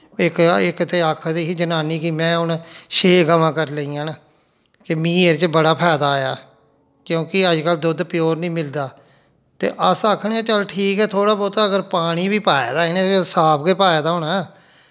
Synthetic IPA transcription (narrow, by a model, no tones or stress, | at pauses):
ɪkɪkt̪eːəkʰːd̪iːɦiːd͡ʒənaːniːkimɛ̃ːʊnʃeːɡəmãːkəɾləiːãːnː | kɪmĩːeɾt͡ʃbəɽaːpʰɛːd̪aːja̰ː | kjõːkɪəd͡ʒkəld̪ʊd̪pɪjoːɾnĩːmɪld̪aː | t̪ḛːʔəsaːkʰːnɛ̃ːt͡ʃəlʈʰiːkɛːt̪ʰoːɽaːbɔːt̪ːəɡəɾpaːɽ̃iːbiːpaːjaːd̪aːɪnẽsaːpɡeːpaːjaːd̪aːɦʊnɛː